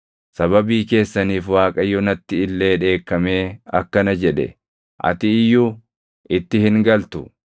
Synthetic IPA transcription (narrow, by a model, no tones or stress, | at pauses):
sɐβɐbiːke̞ːsːɐniːfwaːkʼɐjɔnɐt̪ːɪɪlːe̞ːᶑe̞ːkːɐme̞ːɐ̰kːɐnɐd͡ʒɛᶑɛ̰ | ʔɐ̰t̪ɪɪjːuː | ʔɪt̪ːɪhɪŋɡɐlt̪ʊ